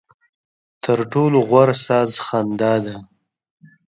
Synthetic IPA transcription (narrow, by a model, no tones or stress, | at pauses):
t̪ʰəɾʈoloɣwaɾsɑzxand̪ɑd̪a